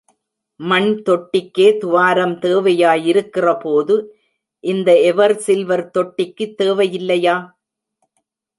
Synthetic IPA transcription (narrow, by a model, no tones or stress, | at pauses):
mɐɳt̪ɔʈːɪkːeːt̪ʊʋaːɾɐmt̪eːʋɐjaːjɪɾɯkːɪrɐpoːðɯ | ʔɪnd̪ɐɛʋɐɾsɪlʋɐɾt̪ɔʈːɪkːɯt̪ːeːʋɐjɪlːɐjaː